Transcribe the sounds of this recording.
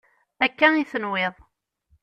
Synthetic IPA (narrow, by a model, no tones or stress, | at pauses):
ækːæiθənweðˤ